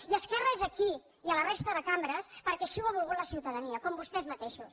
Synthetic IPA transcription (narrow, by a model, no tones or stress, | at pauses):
iəskɛrəezəki | iələrest̪əðəkambɾəspəɾkɛʃiwaβ̞ulˠɣut̪ləsiwt̪əðəniəkɔmbust̪ɛezmət̪eʃus